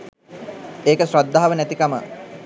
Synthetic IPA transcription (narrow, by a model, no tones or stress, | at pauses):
eːkəsɾod̪ːaɦaʋənæt̪ikamə̰